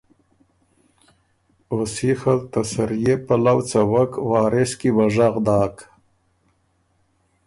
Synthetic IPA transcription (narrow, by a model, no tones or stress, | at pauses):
osixalt̪asaɾijepalawt͡sawakwɑːɾɪskiwaʐaɣd̪ɑːk